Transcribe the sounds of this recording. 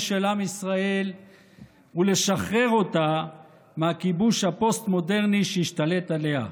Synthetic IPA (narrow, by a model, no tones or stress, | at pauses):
ʃelamisʁae̞l | ule̞ʃaχʁe̞ʁo̞t̪a | mehakibuʃhapo̞st̪mo̞de̞ʁniʃejiʃt̪alet̪ale̞ɦa̰